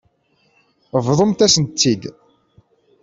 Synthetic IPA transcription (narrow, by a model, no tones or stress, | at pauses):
vðˤəmt̪æsənt͡s̪ːid̪